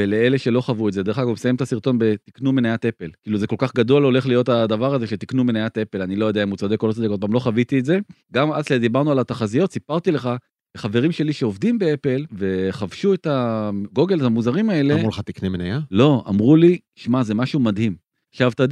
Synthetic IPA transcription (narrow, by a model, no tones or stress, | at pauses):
ele̞eleʃe̞lo̞χavuetzed̪e̞χaɡumesajemt̪asiʁt̪o̞nbet̪iknumenajat̪ʔe̞pe̞lkiːluzeko̞lkaχɡad̪ualo̞le̞χlijo̞t̪ad̪ɐvaʁaze̞ʃet̪iknumenajat̪e̞pe̞lanilo̞jod̪eaimut͡sad̪ekːolot͡sad̪ekod̚pamlo̞χavit̪ietze̞ɡamalad̪ibaʁnualat̪aχazijo̞t̪sipaʁt̪ile̞χa | leχave̞ʁimʃe̞liʃe̞o̞vd̪imbeepe̞lve̞χavʃuet̪aɡo̞ɡe̞letamuzaʁimae̞lemmʁuleχat̪iknemenajalo̞a̰mʁuli | ʃmazemaʃumad̪ɦim | χʃavt̪ad̪